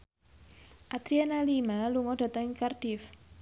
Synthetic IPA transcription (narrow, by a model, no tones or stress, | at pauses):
ʔat̪ɾianalimaluŋɔd̥ä̤t̪əŋikard̥ɪf